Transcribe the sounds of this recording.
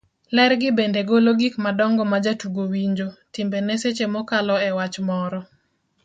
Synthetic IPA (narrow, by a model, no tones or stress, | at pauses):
lɛɾɡɪbendeɡoloɡikmadɔŋɡɔmad͡ʒatuɡowiɲd͡ʒotɪmbeneset͡ʃemɔkalɔɛwat͡ʃmɔɾɔ